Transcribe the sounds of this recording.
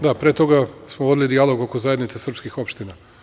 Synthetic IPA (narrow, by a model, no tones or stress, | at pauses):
d̪apɾet̪o̞ɡasmoʋod̪ilid̪ialo̞ɡoko̞zaje̞d̪nit̪sesr̩pskixo̞pʃt̪ina